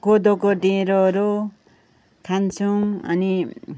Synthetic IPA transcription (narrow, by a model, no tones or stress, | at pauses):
kod̪okoɖẽɾoɾo | kʰant͡sʰuŋʌ̰ni